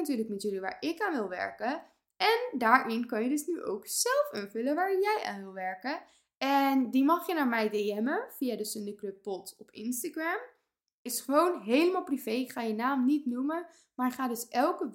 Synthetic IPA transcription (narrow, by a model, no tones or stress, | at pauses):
natyːɹləkmɛtjøliʋa̰ːɹɪkaːnʋɪlˠʋɛ̰ɹkə | ɛndaːɹʔɪnkɑnjədøsnyʔo̰wksɛlˠfənfɵləʋaːɹjɛjʔa̰ːnʋɪlˠʋɛɹkə | ɛndimɑχjənaːɹmɛjdeɛməfiadəsəndəklɵpːɔtɔpɪ̰nstaɡram | ɪsχəʋownɦejləmalˠpriv̥ejɪkχaːjənaːmnitnumə | maːɹχaːdɵsʔɛlˠkə